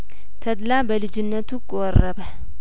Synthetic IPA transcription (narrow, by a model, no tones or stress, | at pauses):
t̪ʰəd̪labəlɨd͡ʒɪnːət̪ukʼowɔrːəbə